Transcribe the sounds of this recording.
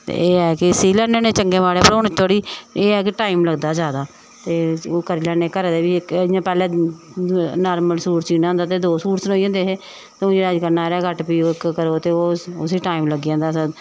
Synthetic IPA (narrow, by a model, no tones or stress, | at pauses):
t̪ḛeːɛːkɪsiːlɛːeːneːt͡ʃəŋɡeːʋaːɽeːpəɾoːnet̪ʰoːɽiːeːɛːkɪʈaːimləɡd̪aːzjaːd̪aː | t̪eːoːkəɾiːlaːneːkəɾad̪eːʋiːkːjãːpɛːlɛ̃ː | naːɾməlsuːɾsiːnãːnd̪aːt̪eːd̪oːsuːɾsnoːiãːnd̪eːɦeː | t̪eũːd͡ʒeːaːəd͡ʒkəɾnaːɾɛːkəʈpiːoːɪkkəɾoːt̪eːoːʊsiːʈaːimləɡjãːnd̪aːsə